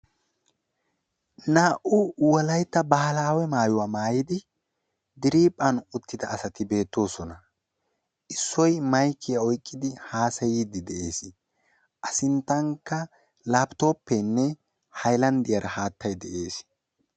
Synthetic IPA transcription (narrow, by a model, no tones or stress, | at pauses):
naːʔʊwɔlɐjt̪ːɐbɐhɐlaːwɛmaːjʊwaːmaːjɪd̪ɪ | d̪ɪɾiːpʼːɐnʊt̪ːɪd̪ɐːsɐt̪ɪbe̞ːt̪ːo̞ːsɔnɐ | ʔɪsːɔjmɐjkʰːɪjɐɔjkʼːɪd̪ɪhaːsɐjiːd̪ɪd̪ɛʔe̞ːs | ʔɐsɪnt̪ːɐŋkːɐ | laːbt̪o̞ːpːɛnːɛ | hɐjlɐnd̪ɪjɐɾɐhaːt̪ːɐjd̪ɛʔe̞ːs